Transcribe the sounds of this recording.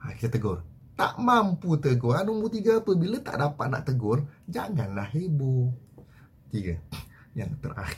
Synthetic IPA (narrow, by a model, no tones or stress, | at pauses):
hakit̪əɡʊr | t̪a̰ʔmamput̪əɡoanːumburt̪iɡəːpəbilət̪a̰ʔdapat̪̚na̰ʔt̪əɡʊnd͡ʒaŋanlaɦebu | t̪iɡə | ja̰ŋt̪ə̰rʔa̰x